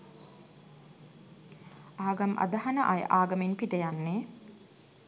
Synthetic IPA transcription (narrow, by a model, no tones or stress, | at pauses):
aːɡɐmʔɐ̰d̪ɐɦɐnəʔajʔaːɡɐmenpiʈəjanːe